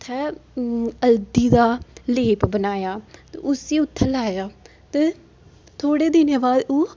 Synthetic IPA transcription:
t̪ʰːɛː | əld̪iːd̪aːleːpbənaːjaːt̪ḛʊsiːʊt̪ʰːɛːlaːjaː | t̪eː | t̪ʰoːɽeːd̪ɪneːbaːd̪oː

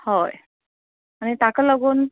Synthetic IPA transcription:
hoj | añit̪akaləɡuːn

